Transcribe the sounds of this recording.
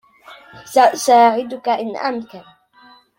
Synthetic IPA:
aʔʊsaːʕɪd̪ʊkaʔɪnʔa̰mkal

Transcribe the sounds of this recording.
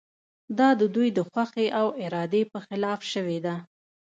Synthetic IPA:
d̪ɑd̪əd̪ujd̪əxwaxeʔawɪɾɑd̪epəxɪlɑfʃəwed̪a

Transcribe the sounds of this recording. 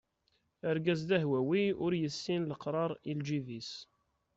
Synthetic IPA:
əɾɡæzd̪æɦwæwiʊɾjəsːinləqɾˤɑɾˤild͡ʒivis

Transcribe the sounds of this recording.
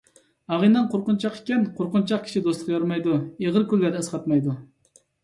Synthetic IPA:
ɑʁinɨnqʰoɾqʊnt͡ʃʰɑqe̥kʲɛnqʰoɾqʊnt͡ʃʰɑq̚kʲʰi̥ʃid̪osˠə̥qjɑɾmɑjd̪ueʁəɾkʲylːæd̪ɛɛsqɑt̪mɑjd̪u

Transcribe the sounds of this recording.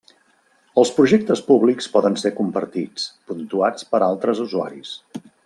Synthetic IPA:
əlˠspɾuʒɛk̚t̪əspuβlikspɔðənsekumpə̰ɾt̪it͡spunt̪uat͡spəɾalˠt̪ɾəzuzua̰ɾḭs

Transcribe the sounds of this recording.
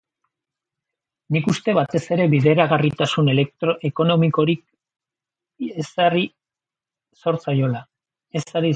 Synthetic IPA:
nikust̪e̞βat̪e̞se̞ɾe̞βiðe̞ɾaɣarit̪asunelet̪ɾe̞ko̞no̞miko̞ɾik | esari | so̞ɾt͡sajo̞la | e̞saɾi

